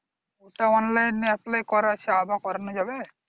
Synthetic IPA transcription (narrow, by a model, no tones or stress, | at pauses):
oʈaɔnlajnːɛplejkɔɾat͡ʃʰiabakɔɾnɔd͡ʒabe